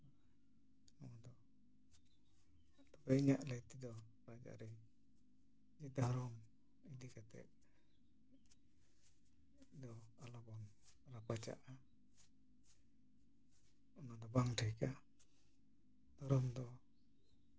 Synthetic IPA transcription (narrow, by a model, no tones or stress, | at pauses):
nɔmad̪ɔ | t̪ɔpɛiɲaʔləjt̪id̪ɔ | ɾad͡ʒa̰ɾɛ | d͡ʒid̪ʱaɾɔm | id̪ikat̪ɛ̰ʔ | d̪ɔalɔbɔn | ɾapat͡ʃa̰ʔa | ɔnad̪ɔbaŋʈʰajka | d̪̥ɔɾɔmd̪ɔ